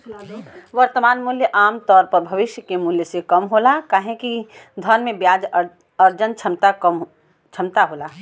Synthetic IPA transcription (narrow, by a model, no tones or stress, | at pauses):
ʋɐɾt̪əmaːnmʊljəʔaːmt̪ɔːɾpəɾbʱɐʋɪʃjəkemʊljəsekɐmɦoːlakaːɦẽkid̪ʱənmẽbjaːd͡ʒ | əɾd͡ʒənt͡ʃʰɐmt̪a | t͡ʃʰɐmt̪aɦoːlaː